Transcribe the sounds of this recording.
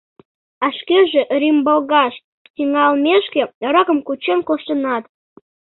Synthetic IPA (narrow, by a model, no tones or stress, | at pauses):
ɑʃkeʒĕʔrʲimbolˠɣɑʃ | tʲiŋɑlmʲeʃkeɾɑkə̆mkut͡ɕenkoʃt̪ənɑt̪